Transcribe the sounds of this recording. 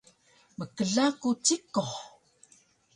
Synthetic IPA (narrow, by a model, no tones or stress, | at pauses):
məkəɮakut͡sikoχ